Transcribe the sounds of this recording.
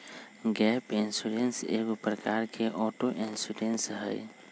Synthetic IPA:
ɡɛːpɪnsuɾensḛːɡpɾəkaːɾkʰeʔɔːʈoʔɪnsuːɾensɦɛj

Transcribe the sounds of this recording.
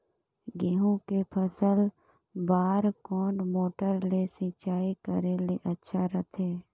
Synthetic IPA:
ɡiːɦõkepʰəsəl | baːɾkɔːnmoːʈəɾlesĩːt͡ʃaːikəɾeleʔətːʃʰaɾət̪ʰeː

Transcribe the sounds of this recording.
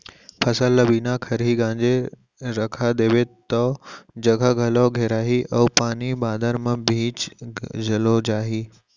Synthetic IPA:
pʰɐsəlːɐbiːnakʰɐɾɦiɡãːɲd͡ʑe | ɾɐkʰad̪eːʋet̪ɔd͡ʑɐɡʱəɡʱɐloɡʱeːɾaːɦiʔɐːpaːnibaːd̪ʱəɾmɐ̃bʱĩːt͡ɕd͡ʑəlod͡ʑaːɦiː

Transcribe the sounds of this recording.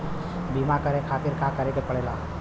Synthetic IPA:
biːmakəɾekʰaːt̪ɪɾkaːkəɾẽkepəɽeːlaː

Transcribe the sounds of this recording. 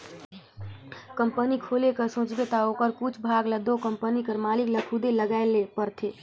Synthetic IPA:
kəmpənikʰolekəsõt͡ʃbet̪aokəɾkut͡ʃʰbʱaɡləd̪okəmpənikəɾmalikləkʰud̪eləɡaelepəɾt̪ʰe

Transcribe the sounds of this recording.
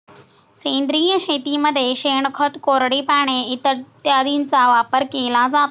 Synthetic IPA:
sẽːnd̪ɾiːə̃ʃeːt̪imɐd̪ʱeʃeːɽ̃kʰɐt̪koːɾɽipaːɽ̃eɪt̪t̪ɪaːd̪inɪ̆t͡sãːʋaːpəɾkelaːzaːt̪

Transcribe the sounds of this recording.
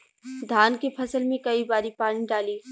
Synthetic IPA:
d̪ʱaːnkepʰɐsəlmẽkɐibaːɾipaːɽ̃iɖaːliː

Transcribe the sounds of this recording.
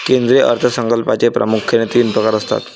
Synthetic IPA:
kend̪ɾeʔə̰ɾt̪ʰəsəŋkəlpat͡sepɾə̰mukʰjənet̪iːnpɾəkaɾəst̪a̰t̪

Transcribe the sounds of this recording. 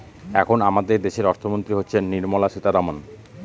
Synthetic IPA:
ɛkʰonamad̪eɾd̪eʃeɾɔɾt̪ʰomont̪ɾiɦotːɕʰenːiɾmɔlaʃit̪aɾamon

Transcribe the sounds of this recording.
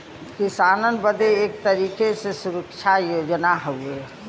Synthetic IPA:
kisaːnənbəd̪eːk̚t̪əɾiːkesesuɾəkt͡ʃʰajoːd͡ʒnaɦoe

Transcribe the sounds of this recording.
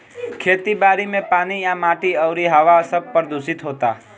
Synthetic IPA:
kʰeːt̪ibaːɾimẽpaːnijãmaːʈiəʊɾiɦəʋasəb̚pəɾd̪ʱʊsɪt̪ɦoːt̪aː

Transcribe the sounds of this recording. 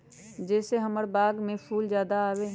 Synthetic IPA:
d͡ʒɛːseɦəməɾbaːɡmẽpʰuːld͡ʒjaːd̪aaːwe

